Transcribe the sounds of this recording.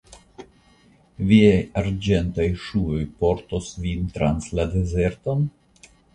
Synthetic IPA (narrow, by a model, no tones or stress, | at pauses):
viajaɾd͡ʒe̞ntajʃuojpo̞ɾtosvint̪ɾanslade̞ze̞ɾto̞n